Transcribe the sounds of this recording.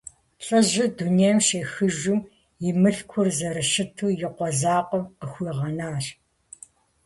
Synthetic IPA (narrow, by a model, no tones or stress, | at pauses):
ɬʼɐʑɪdunejɐmʃeːxɨʒʊm | jɪmɨɬkʷʰʊrzɐrɨʃɪtʰuːjɪqʷɔzaːqʷʼɔmqəxʷiːʁɐnaːɕ